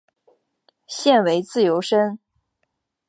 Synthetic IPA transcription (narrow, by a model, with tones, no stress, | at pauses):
ɕjɛ˥˩nwe˧˥ɪt͡sɹ̩˥˩jo˧˥ʊʂə˥n